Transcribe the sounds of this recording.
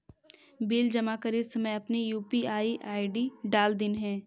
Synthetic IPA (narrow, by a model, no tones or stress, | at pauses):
biːld͡ʒɐmakəɾiːd̪sɐməjɐpnijuːpiaːiʔaːɪɖiɖaːld̪ɪnɦɛ̃ː